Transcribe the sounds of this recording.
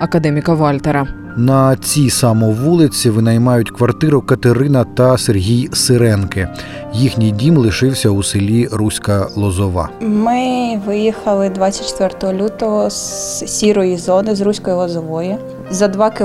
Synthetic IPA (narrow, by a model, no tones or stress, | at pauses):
ɐkɐd̪ɛmʲikɐʋɑlʲt̪eɾɐ | nɐt͡sʲisɑmɔʋulˠɪt͡sʲiʋɪnɐjmɑjʊtʲkʋɐrt̪ɪɾʊkɐt̪eɾɪnɐt̪ɐserʲɦʲijsɪɾɛnkɪ | jixnʲijdʲimlˠɪʃɪwsʲɐusɪlʲiɾusʲkɐlˠɔzɔʋɑ̰mɪʋɪjixɐlˠɪd̪ʋat͡sʲɐt̚ʲt͡ʃːɛ̥t̪ʋɛrt̪ɔɦɔlʲut̪ɔɦɔssʲiɾɔjizɔnɪzɾusʲkɔjilˠɔzɔʋɔjʊ | zɐd̪ʋɑkɪ